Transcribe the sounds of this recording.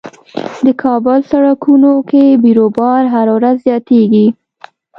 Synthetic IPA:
d̪əkʰɑbʊlsaɽɑkunokebiɾobɑɾɦaɾwɾazːjɑt̪eɡi

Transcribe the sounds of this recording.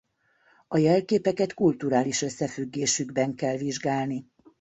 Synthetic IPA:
ɒjɛlkeːpɛkɛt̪kult̪uɾaːliʃøsːɛfyɡːeːʃyɡbɛŋkɛlʋiʒɡaːlni

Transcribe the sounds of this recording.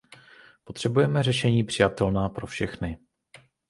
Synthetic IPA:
po̞t̪r̝̥ɛbujɛmɛrɛʃɛɲiːpr̥ɪjat̪ɛlnaːpɾo̞fʃɛxnɪ

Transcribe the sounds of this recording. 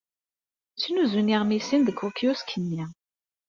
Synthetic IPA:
t͡sːinuzuniʁmisinðəkʰːokjuskʰənːi

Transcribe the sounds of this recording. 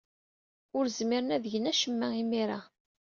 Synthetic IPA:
ʊɾzmiɾənæðʝənæʃəmːæimiɾa

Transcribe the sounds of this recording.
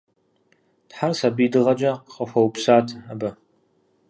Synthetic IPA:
tħarsabijdɨʁɐd͡ʒaqqɐfʷɐwpsaːtʰabɐ

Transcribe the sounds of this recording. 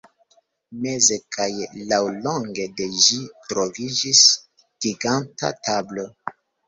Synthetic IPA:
me̞ze̞kajlawlo̞ŋɡe̞de̞ʒitɾo̞vid͡ʒis | d̥iɡanta̰tablo

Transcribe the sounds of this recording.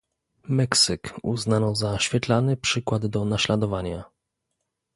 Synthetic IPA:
mɛksɘkṵznanɔzaɕfʲjɛt̪lanɘpʂɘkwad̪d̪ɔnaɕlad̪ɔvaɲa

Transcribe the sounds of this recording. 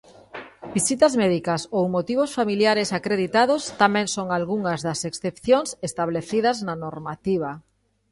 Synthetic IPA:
bisit̪ɐzmɛðikɐsowmot̪iβ̞osfamiljaɾesakɾeðit̪að̞ost̪amɛ̃ŋsoŋalɣuŋɐzðɐseksθepθjoŋsest̪aβleθið̞ɐznanoɾmat̪iβɐ

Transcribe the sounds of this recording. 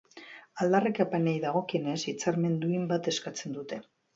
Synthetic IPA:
ald̪arekapanejðaɣ̞o̞kienesit͡saɾme̞nd̪uimbat̪e̞skat͡se̞nd̪ut̪e̞

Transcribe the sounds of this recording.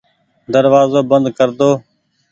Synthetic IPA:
d̪əɾʋaːzoːbənd̪kəɾd̪oː

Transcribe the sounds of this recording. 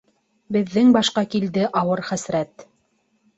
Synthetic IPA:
bɘ̆ðːɘŋbɑʃqɑkild̪ɘʔɑwɤɾχæsɾæt̪

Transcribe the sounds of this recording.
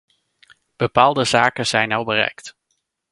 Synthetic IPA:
b̥əpaːlˠdəzaːkəz̥ɛjnɑlˠbərɛ̰jkt

